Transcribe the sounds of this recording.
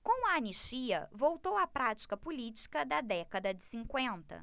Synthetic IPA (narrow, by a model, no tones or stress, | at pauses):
kõw̃ɐɐniʃt͡ʃiɐ̰vowt̪owɐpɾat͡ʃi̥kɐpulit͡ʃi̥kɐd̪ɐd̪ɛkɐd̪ɐd͡ʒɪsĩŋkwẽnt̪ɐ̰